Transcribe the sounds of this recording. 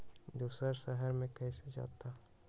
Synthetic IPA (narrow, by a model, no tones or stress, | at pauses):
d̪uːsəɾsəɦəɾmẽkɛɦsed͡ʒa̰ːt̪a